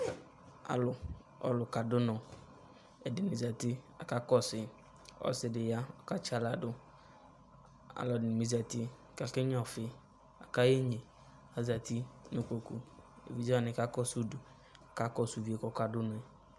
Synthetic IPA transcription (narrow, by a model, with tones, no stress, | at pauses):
a̰˨lʊ˨ | ɔ̰˨lʊ˨ka˨dʊ˦nɔ˨ | ɛ˨dɪ˨ni˨za˨tɪ˦a˨ka˦kɔ˦˨sɪ˨ | ɔ̰˨sɪ˨dɪ˨ja˦ɔ˨ka˦t͡ʃa˨la˨dʊ˦ | a̰˨lɔ˨dɪ˨n˨mi˨za˨tɪ˦˨ | ka˨kɪ˦ɲ˦ɔ˨fɪ˨ | a̰˨ka˦je˦ɲe˨ | a˨za˨ti˦nʊ˨ko˨kṵ˨ḛ˨vi˨za˨nɪ˨ka˦kɔ˦˨su˦du˨ | a˨ka˦kɔ˦˨su˨vi˨e˨kɔ˨ka˨dʊ˦nʊ˨ɛ˨